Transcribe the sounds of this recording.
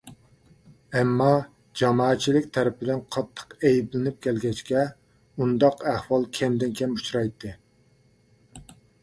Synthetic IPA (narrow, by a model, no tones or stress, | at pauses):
ɛmːɑ | d͡ʒɑmɑːɛt̪̚t͡ʃʰilɪkʲt̪ʰɛɾɪpɪd̪ɪnqʰɑt̪ʰːə̥qejiblɪnɪp̚kʲʰɛlɡʲɛt͡ʃkʲɛ | und̪ɑqæhwɑlˠkʲʰɛmd̪ɪnkʲɛmu̥t͡ʃɾɑjt̪ʰːɨ